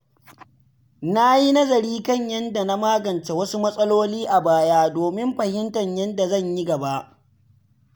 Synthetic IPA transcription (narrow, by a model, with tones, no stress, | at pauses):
na˦ji˦nɐ˦zɐ˨ɾiː˦kɐ˦˨ɲjɐ˦nda˨na˦maː˦ɡɐ˨nt͡ʃe˨wɐ˦su˦mɐ˦sʼɐ˦loː˦liː˦ʔa˨baː˦jaː˦doː˨mɪ˦mɸɐ˨hɪ˦ntɐ˨ɲjɐ˦nda˨zɐ˦˨ɲji˦ɡɐ˨ba˦ʔ